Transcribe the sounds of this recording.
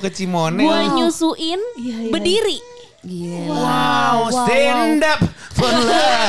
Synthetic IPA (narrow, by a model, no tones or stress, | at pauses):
kət͡ʃimonuaɲusuʔɪnbərdiɾi | wawst̪ɛndap̚ | fələ